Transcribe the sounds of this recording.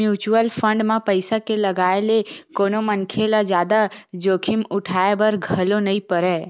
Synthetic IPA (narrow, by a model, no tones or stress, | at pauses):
juːt͡ʃuəlpʰə̃ɳɖmãpəɪsakeləɡaːelekoːnomənkʰelad͡ʒjaːd̪ad͡ʒoːkʰɪmʊʈʰaebəɾɡʱəlonəĩpəɾɛː